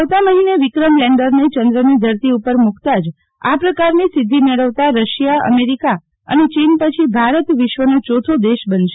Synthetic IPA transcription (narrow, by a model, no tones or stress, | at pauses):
əʋt̪aməɦineʋɪkɾəmleɳɖəɾnet͡ʃənd̪ɾəned̪ʱəɾt̪iupəɾmukʰt̪ad͡ʒ | a̰pɾəkaɾnesɪd̪ʱːimeɭəʋt̪aɾəʃijaə̰meɾika | ə̰net͡ʃinpət͡ʃʰibʱaɾət̪ʋɪʃʋənot͡ʃot̪ʰod̪eʃbənʃe̥